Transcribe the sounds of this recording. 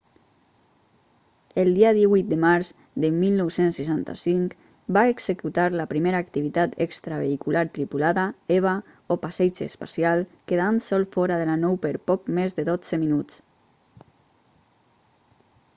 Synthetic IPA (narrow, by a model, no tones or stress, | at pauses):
əlˠd̪iaðiβujt̪̚d̪əmaɾz | ðəmilˠnɔwsensːəʃant̪a̰siŋk | baeɡz̥əkut̪aɾləpɾimeɾaːkt̪iβit̪at̪ekst̪ɾaβ̞eikulaɾt̪ɾipulaðəɛβ̞a | opasɛd͡ʒə̰spasjalˠkeðansɔlˠfɔɾaðəlanɔwpəɾpɔkmezðəðod͡z̥əminut͡s